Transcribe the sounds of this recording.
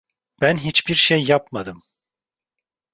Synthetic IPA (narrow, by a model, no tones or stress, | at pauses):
b̥ænɦit͡ʃbiɾʃejːapmad̪ɯm